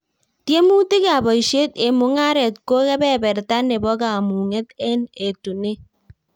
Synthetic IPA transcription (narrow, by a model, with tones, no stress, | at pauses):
tje˦mu˦ti˦ka˨bɔ˨i˨ʃe˦te˨mu˨ŋa˦ɾɛ˨t̚ko˦kɛ˦bɛ˦bɛ˨ɾta˦ne˨bɔ˦ka˨mu˨ŋe˦te˦ne˨tu˨ne˦